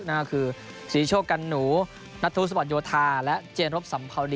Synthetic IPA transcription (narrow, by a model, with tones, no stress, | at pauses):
naː˧˩kʰɯː˧ | siː˨˩˦t͡ɕʰoː˥˩ka˧nːuː˩˦ | na˦˥t̪ʰːu˦˥˩s̬ba˨˩t̪̚joː˧t̪ʰaː˧lɛ˦˥ʔt͡ɕeː˧nɾo˦˥p̚sa˩˦mpʰa˧wdi˧